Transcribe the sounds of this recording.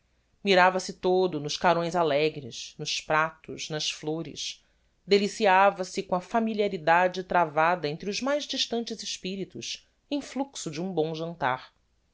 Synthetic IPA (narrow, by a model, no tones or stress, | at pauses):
miɾavɐsɪt̪od̪ʊnʊʃkaɾõj̃zalɛɡɾɪʃnʊʃpɾat̪ʊʃnɐsfloɾɪ̰ʃ | d̪elisiavɐsɪkõɐfamiliaɾid̪ad͡ʒɪt̪ɾavad̪ɐẽnt̪ɾʊzmajzd͡ʒiʃt̪ɐ̃nt͡ʃɪzɪʃpiɾit̪ʊʃ | ẽj̃fluksʊd͡ʒɪũbõw̃ʒɐ̃nt̪a̰ɾ